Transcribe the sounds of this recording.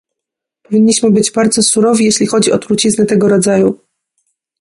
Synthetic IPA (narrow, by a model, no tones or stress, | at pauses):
pɔvʲiɲʲːiɕmɘbɘd͡ʑbaɾd̪zɔsuɾɔvʲijeɕlʲixɔd͡ʑiɔt̪ɾut͡ɕiznɘt̪ɛɡɔɾɔd̪zaju